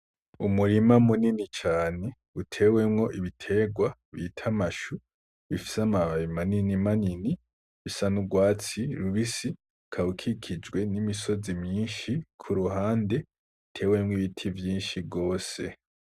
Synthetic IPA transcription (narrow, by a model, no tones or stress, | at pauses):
umuɾimamuninit͡ʃaːne̞ | utʰe̞we̞mŋo̞ʔiβitʰe̞ːɡwaβitʰamaʃu | βifi̥samaβaβimaninimanini | βisanuɡwaːt͡siɾuβisi | kʰahukʰikʰid͡ʒɡwe̞nimiso̞zimjiːnʃikʰuɾuɦaːnde̞ | utʰe̞ːwe̞mŋiβitʰivjiːnʃiɡo̞ːse̞̰